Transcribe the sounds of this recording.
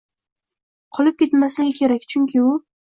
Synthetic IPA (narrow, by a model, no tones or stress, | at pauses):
qʰɒlˠɪp̚kʲʰet̪maslɪɡʲɪkʲʰe̞ɾakʲt͡ʃʰʊŋkʲʰɪʊ